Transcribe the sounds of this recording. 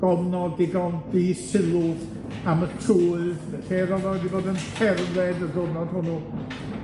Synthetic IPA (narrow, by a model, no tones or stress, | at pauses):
ɡ̥ɔvnɔdɪɡɔndiːsɪlˠʊð | amətʰruːɨðɬeɾɔðɔwɛdiboːdənpʰɛrðɛdəɡɔnɔd̥hʊnu